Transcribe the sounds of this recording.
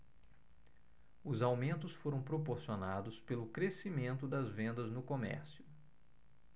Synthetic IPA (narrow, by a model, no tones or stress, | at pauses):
ʊzawmẽnt̪ʊsfoɾɐ̃w̃pɾopoɾsionad̪ʊspelʊkɾesimẽnt̪ʊd̪ɐzvẽnd̪ɐznʊkomɛ̰ɾsiʊ